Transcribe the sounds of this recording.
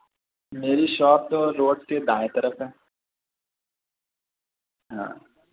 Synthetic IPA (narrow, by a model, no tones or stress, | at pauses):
meːɾiʃɔːp̚t̪oɾoːɖsked̪aːet̪ɐɾəfɦɛː | ɦã̰ː